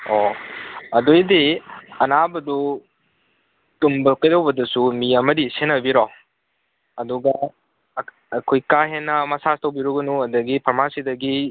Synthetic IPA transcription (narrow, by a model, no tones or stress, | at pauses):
o | ɐdojdiɐnabɐdu | tumbɐlkɐjdɐwbɐdɐsumiɐmɐdisenɐbiɾo | ɐduɡɐ | ɐkʰojkaɦenːɐmɐsastɐwbiɾuɡɐnuɐdɐɡipʰɐɾmasidɐɡi